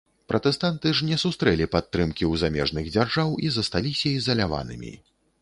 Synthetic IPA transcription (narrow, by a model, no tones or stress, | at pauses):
pɾʔɐt̪ɛst̪ant̪ɨʐnʲɛsust̪ɾɛlʲipat̪ːɾɨmkʲiwzamʲɛ̰ʐnɨɣd͡zʲarʐawizɐst̪alʲisʲɐizɐlʲava̰nɨ̰mʲḭ